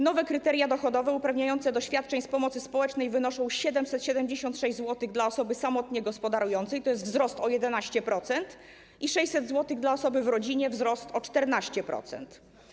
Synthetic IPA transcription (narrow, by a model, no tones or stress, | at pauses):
nɔvɛkɾɘt̪ɛɾjad̪ɔxɔd̪ɔvɛupɾavɲajɔnt̪sɛd̪ɔɕfʲjat̪̚t͡ʂɛɲspɔmɔt̪sɘspɔwɛt͡ʂnɛjvɘnɔʂɔ̃w̃ɕɛd̪ɛmsɛt̪ɕɛd̪ɛmd͡ʑeɕɔ̃nt̪ʂɛʑzwɔt̪ɘɣd̪laɔsɔbɘsamɔt̪ɲɛɡɔspɔd̪aɾujɔnt̪sɛjt̪ɔjɛst̪vzɾɔst̪ɔjɛd̪ɛnaɕt͡ɕɛpɾɔt̪sɛnt̪ | iʂɛɕt͡ɕʲsɛd̪zwɔt̪ɘɣd̪laɔsɔbɘvɾɔd͡ʑiɲɛvzɾɔst̪ɔt͡ʂt̪ɛɾnaɕt͡ɕɛpɾɔ̰t̪sɛ̰nt̪